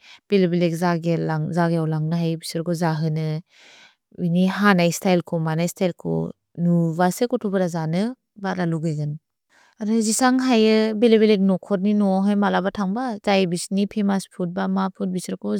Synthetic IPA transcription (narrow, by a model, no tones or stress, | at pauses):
b̥elebelek̚zaɡelaŋzaɡejawlaŋnɯɦajbisɾkɔzaɦɯnɯ | iniɦanajstʰajlkʰɔmanajstʰajlkʰɔ̰ | nubasekɔtʰubɯɾazanɯ | baɾaluɡɯjɡɯn | aɾɯzisaŋɦajɯbelebelek̚nɔkʰɔt̬̚ninɔɦajmalabatʰaŋbazajbisnipʰemaspʰut̚bamapʰut̚bisɾkʰɔ